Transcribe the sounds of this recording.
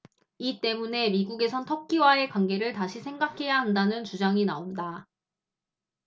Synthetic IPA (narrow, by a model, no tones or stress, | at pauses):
it͈e̞mune̞miɡuɡe̞sʰʌntʰʌkʰiwae̞kwaŋɡe̞ɾɯɭtaɕʰisʰe̞ŋɡakʰe̞jaɦandanɯnt͡ɕud͡ʑaŋinaonda